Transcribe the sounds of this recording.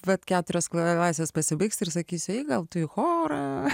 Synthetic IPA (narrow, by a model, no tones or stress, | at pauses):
ʋɐt̪kʲæːt̪ʊɾʲoːsklˠlˠɑːsʲʋʲeːspɐsʲɪbɐɪksʲt̪ɪrsɐkʲiːsʲʊɐɪɡɐlˠt̪ʊɪxoːɾɐ